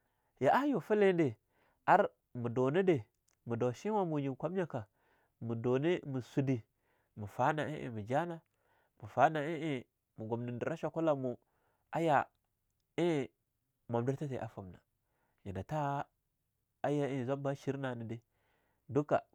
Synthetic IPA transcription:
ja˨ʔa˦jo˨fi˦le˦de˨ | a˦ɾ | mu˨do˨ni˦de˨ | mu˨do˨ʃi˦wa˦mu˨ɲi˨kʷa˦m˦ɲa˦ka˨ | mu˨do˨ni˦mu˨su˨di˨ | mu˨fa˦na˨ʔḭ˦ʔḭ˨mi˨d͡ʒa˦na˨ | mu˨fa˦na˨i˦i˦ | mu˨ɡo˨mni˨ndi˨ɾa˦ʃa˨ku˦la˦mu˨ | a˦ja˨ | i˦ | ma˨mdi˦ɾta˦tḛ˨ʔa̰˦fa˨mna˨ | ji˨na˨ta˦ | a˦ja˦i˨za˦ba˦ʃi˦ɾna˨ni˨de˨ | du˦ka̰˨

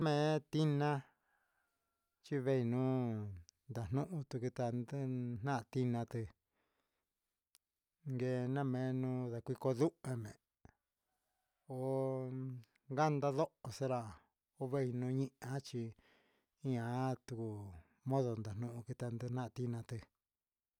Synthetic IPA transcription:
mẽ˨t̪i˦nã˦ | t͡ʃi˦βe˦i˧nũ˦ | nd̪a˨n̥nũ˦ʔũ˧t̪u˧ku˧t̪a˧nd̪ɨ˦n̥nã˦ʔt̪i˦nã˧t̪ɨ˧ | ŋɡe˧nã˦mẽ˨˦nũ˧˦ða˧kʷi˧ko˧ðu˦e˧mẽ˨ | o˧ | ŋɡa˦nd̪a˦ðo˦ʔo˧se˦ɾa˧˨ | o˧βe˦i˧nũ˧˦ɲĩ˦ʔã˦t͡ʃi˧ | i˦ã˧˦t̪u˧ku˨ | mõ˦ðo˧nd̪a˨nũ˦ʔũ˧ki˧t̪a˧nd̪ɨ˦˧n̥ã˦˧t̪i˧nã˧t̪ɨ˧

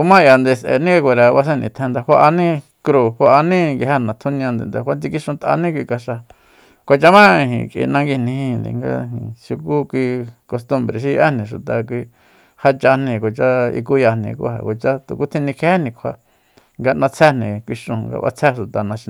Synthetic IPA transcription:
u˧mã˦ja˨nd̪e˧˨sʔḛ˨nĩ˦a˧kʷa˨˧ɾa˨˧βa˧s̬ẽ˦˧nḭ̃˨t̪ʰẽ˧nd̪a˧hʷa˧ʔa˧nĩ˦ | kɾu˧ha˧ʔa˧nĩ˦ŋɡi˧ɦe˦˧˨nã˨t̪ʰu˦nĩ˧ã˧nd̪ḛ˨nd̪e˨kʷa˧˦t̪i˧ki˦ʃũ˧t̪ʔa̰˧nĩ˦kʷi˧ka˧ʃa˧ | kʷa˧t͡ʃa˧mã˦ĩ˧ɦḭ̃˨kʼḭ˧nã˧ŋɡi˧nĩ˧hĩ˧nd̪ḛ˨ŋɡã̰˧˨ʃu˧ku˦kʷi˧ko˧st̪u˧mbɾe˨ʃ̬i˧jʔe˦nĩ˨ʃu˨t̪a˨k̬ʷi˧ | ha˧t͡ʃa˧nĩ˧kʷo˨t͡ʃa˦ḭ˧k̬u˦ja˧nḭ̃˧kṵ˦ha̰˨kʷo˨t͡ʃa˦t̪u˨ku˦t̪ʰĩ˧nĩ˧kʰe˧˦e˦nĩ˧kʷʰa˧ | ŋɡa˧nã˧t͡sʰɛ˦nĩ˨kʷi˧ʂũ˧ŋɡa̰˧ʔa̰˧t͡sʰɛ˦ʃu˨t̪a˨nã˧ʃi˧

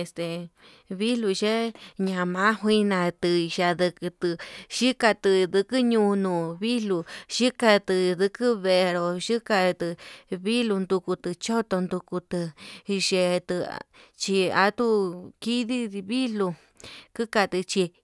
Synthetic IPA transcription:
e˧st̪e˨ | βi˦lu˧ʒe˦ɲã˧mã˦ɦwi˦nã˧t̪ɨ˧ʒa˧ðɨ˧kɨ˧t̪ɨ˧ʃi˦ka˧t̪ɨ˧d̪ɨ˧kɨ˦ɲũ˧nũː˧˨βi˦lu˧ʃi˦ka˧t̪ɨ˧ðɨ˧kɨ˦βe˧ɾo˨ʒi˦ka˧t̪ɨ˧βi˦lu˧nd̪u˧ku˧t̪ɨ˧t͡ʃo˦t̪o˧nd̪u˧ku˧t̪ɨ˧ʒe˧t̪ɨ̰˧t͡ʃi˧a̰˧˦t̪u˦ki˦ði˦˧βi˦lu˧ | kɨ˦ka˧t̪ɨ˧t͡ʃi˧

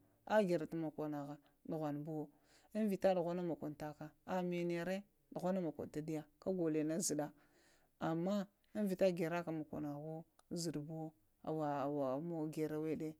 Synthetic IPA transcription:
a˦ɡe˨ɾa˨ta˦ma˨ka˨na˨ɣa˨ | du˨ɣʷa˨nbo˦ | i˦n˦vi˨ta˦du˨ɣʷa˦na˦ma˨kʷo˨nta˦ka˨a˨me˨ne˨ɾe˦ | ɗu˨ɣʷa˦na˦ma˨ko̰˨n˨ta˦di˦ja˦ka˦ɡo˨le˨na˦zi˨ɗa˦ | a˨mːa˦ | i˦nvi˨ta˦ɡe˨ɾa˦ka˨ma˨kʷa̰˨na˨ɣo˦zi˨dbo˦ | a̰˨wa˨wa˨mo˦ɡe˨ɾa˦we˦de˦

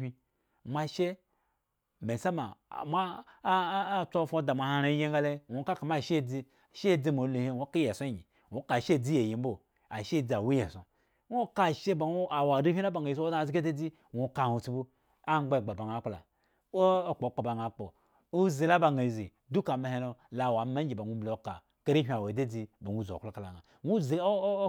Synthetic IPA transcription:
i˦ | mʷa˧ʃe˦ | me˨sa˦ma̰˨ma˦ | t͡so˦˨fo˦da˨mʷ˨a˨ha˧ɾa˨i˦je˦ŋɡa˦le˦wʷo˨˦ka˦ka˨m˦a˦˨ʃe˦˨d͡zi˦˨ | ʃe˦˨d͡zi˦mo˨˦le˨hi˦wʷo˦ka˦je˨so˦˨ɲi˨ | wʷo˦ka˨ʃe˦˨d͡zi˦je˨ji˨m̩˦bo˦˨ | a˨ʃe˦˨d͡zi˨a˨wu˦je˨so̰˨ | wʷo˦ka˦˨ʃe˦ba˨u˦a˨wa˨di˦hʲʷi˦a˦ba˨ŋa˨i˨zo˦a˦a˨zi˦ɡde˦d͡zi˦ | wʷo˨ka˨hu˨t͡si˦bu˦ | a˦ŋ͡mɡ͡be˦˨ɡ͡ba˨ba˨ŋa˨˦k͡pla̰˨ | o˦o˦k͡po˨˦k͡po˨ba˨ŋa˨˦k͡po˨ | u˦zi˨la˦ba˨ŋa˨i˨zi˨ | du˦ka˨me˨ɦe˦no˨la˨wa˨˦ma˦i˨ba˨nʷu˦mblo˨ka̰˨ | ka˦ɾi˦ɦʲi˦a˨wa˨˦de˦d͡zi˦ba˨nʷu˦˨zo̰˨klo˦ka˨la̰˨ŋa˨ | nu˦zi˨˦

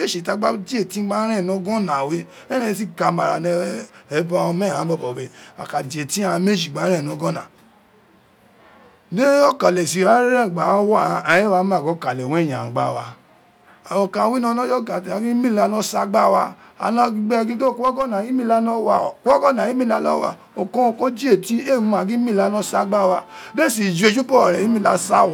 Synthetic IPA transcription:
e˦ʃe˨ta˧˦ɡ͡ba˦di˦e˦˨ti˦ɡ͡ba˦ɾɛ̃˦˨nɔ̃˧˦ɡɔ̃˦nã˨we˦ | ɛ˦ɾɛ̃˦˨˧si˦ɡa˨ma˨ɾa̰˨nɛ˧˦ɛ˨˦ba˧ɔ̃˧mɛ˦˨hã˨˦bɔ˦˨bɔ˨be˧a̰˨ka˨di˨e˨tĩ˦a˦˧ã˧me˦d͡ʒi˨ɡ͡ba˨˦ɾɛ̃˦˨nɔ̃˨˧˦ɡɔ̃˦nã̰˨ | ne˦o˦ka˨lɛ˨si˨ɾa˦ɾe˦ɾɛ˦˨ɡ͡ba˨˦wɔ˦˨a˨je˦wa˨˧˦mã˦˨ɡɔ˨˦ka˨lɛ˨wɛ˦˨jã˨ɡ͡ba˨˦˨wa˧ | a˨wɔ̃˧kã˧wi˦nɔ̃˧˦nɔ̃˦d͡ʒɔ˦ɡa˨ta˧˨ɡĩ˦mĩ˦˨la˧˦nɔ̃˦sa˦ɡ͡ba˦wa˧ | a̰˧nã˦ɡ͡bɛ˦˧ɡĩ˦to˦˨kɔ˦ɡɔ˦˨nã˨ji˦mĩ˦la˦nɔ̃˦wa˦˨kɔ˦ɡɔ˦nã˨ji˦mĩ˦˨la˧˦lɔ˦wa̰˧˨ | o˨kɔ̃˦o˧ko˦d͡ʒi˦e˦˨ti˦e˦˨ũ˨˦˨a˨˧ɡĩ˦mĩ˦˨la˧˦nɔ̃˦sa˧ɡ͡ba˦˨wa˧be˦˨si˨d͡ʒe˧d͡ʒu˦pɔ˦˨ɾɛ˨jĩ˨˦mĩ˦˨la˨˧sa˦˨

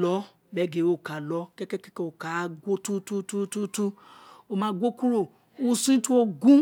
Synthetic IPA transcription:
lɔ˨˦ | mɛ˦ɡe˨˦o˦˨ka˨lɔ˨˦kɛ˦kɛ˦kɛ˦kɛ˦o˨ka˨˦ɡo˦tu˦tu˦tu˦tu˦tu˦o˦mã˨˦ɡʷo˦ku˦ɾo˦˨ | u˦sĩ˦tu˦o˦ɡũ˦

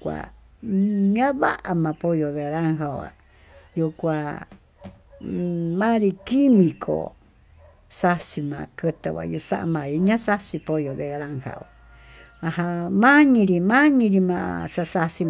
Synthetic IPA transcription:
kʷa̰˨ | ɲã˦βa̰˦ʔa˨mã˧po˧jo˨βe˧˨ɾa˦ŋɦa˧˨a̰˨ | ju˧kʷa˨ | mã˦ɾi˧ki˦mĩ˨kʰo̰˨ | sa˦si˧mã̰˨kɨ˧t̪a˨βa̰˨ju˧sa̰˦ʔa̰˧mã˧˨i˧ɲã˦sa˦si˧po˧jo˨βe˧ɾa˦ŋha̰˨a˨ | ã˧hã˧mã˦ɲĩ˧ɾi˧mã˦ɲĩ˧ɾi˧mã˧ʔa̰˧sa˧sa˧si˧

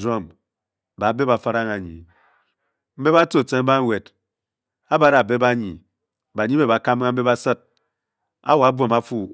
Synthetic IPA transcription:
o˦m | ba˨˦be˦ba˨˦fa˦ɾa˦ŋa˨ɲḭ˨ | m̩˦be˦ba˦to˦˨te˦m̩˦ba˦ŋ˦we˨d | a˦ba˦ɾa˨be˦ba˦ɲi˨ | ba˨ɲi˦be˨ba˨ka˦m˦a˦m̩˦be˦ba˦sɨ˦t̚ | a̰˦wo˨a˨˦bo˨ma˦fu˦

